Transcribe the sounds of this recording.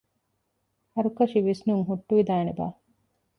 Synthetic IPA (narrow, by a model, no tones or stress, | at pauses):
hɐɾukɐʃiʋisnuŋɦuʈːuʋid̪aːneba̰ː